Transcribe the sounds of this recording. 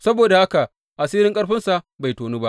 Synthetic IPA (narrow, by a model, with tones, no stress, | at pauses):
sɐ˦boː˨da˨ha˦ka˨ | ʔa˨siː˦ɾɪ˦ŋkʼɐ˦ɽɸɪ˦nsa˨ʔ | ba˨jtoː˨nuː˦ba˦ʔ